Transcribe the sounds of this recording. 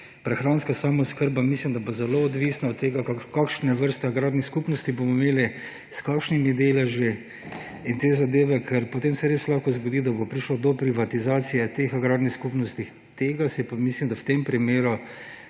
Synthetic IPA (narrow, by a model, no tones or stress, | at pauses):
pɾɛxɾanskasaːmɔskəɾbamislimd̪abozɛloːd̪ʋiːsnaɔt̪ːeːɡakakakʃnɛʋəɾst̪ɛaɡɾaːd̪nixskupnɔst̪ibomɔimeːli | skaːkʃnimid̪eːlɛʒi | int̪eːzad̪eːʋɛkʰɛɾpɔt̪emsɛɾeːslaxkɔzɡod̪iːd̪abopɾiʃlɔd̪ɔpɾiʋat̪izaːt̪sijɛt̪eːxaɡɾaːd̪nixskupnɔst̪ix | t̪eːɡasipamislimd̪awt̪empɾimeːɾu